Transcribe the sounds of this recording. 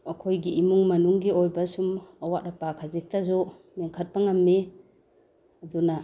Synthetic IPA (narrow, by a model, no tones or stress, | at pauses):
ɐkʰojɡiːmuŋmɐnuŋɡiojbasumawat̚ɾapakʰazik̚tazɔ | meŋkʰat̚paŋamːe | ɐduna